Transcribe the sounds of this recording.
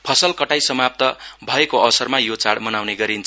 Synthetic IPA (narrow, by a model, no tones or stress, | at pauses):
pʰʌsʌlkʌʈajsʌmap̚t̪ʌbʱʌekoʌsʌrmajot͡saɽmʌnawneɡʌɾint͡sʰ